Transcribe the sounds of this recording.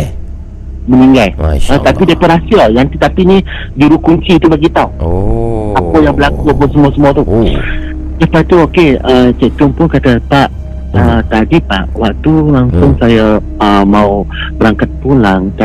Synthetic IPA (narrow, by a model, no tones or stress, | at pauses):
məniŋɡajət̪apidekoɾasiajant̪it̪apinĩ | d͡ʒuɾukuɲt͡ʃiːt̪ubaɡit̪aw | apajaŋbəlakuapasəmuasəmuat̪u | səpat̪uokeət͡ʃəʔt̪ʊŋpʊnkat̪əpaʔ | ət̪adipaʔwak̚t̪ulaŋsʊŋsaja | əmaubəɾaŋkat̪̚pulaŋt̪a